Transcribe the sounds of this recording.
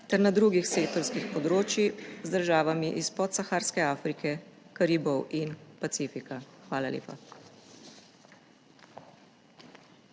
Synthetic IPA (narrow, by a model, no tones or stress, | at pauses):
t̪ɛɾnad̪ɾuɡixseːk̚t̪ɔɾskixpɔd̪ɾoːt͡ʃjizd̪əɾʒaːʋamiʔispɔt̪saxaːɾskɛaːfɾikɛkaɾiːbɔwinpat̪siːfikaxʋaːlalʲḛːpa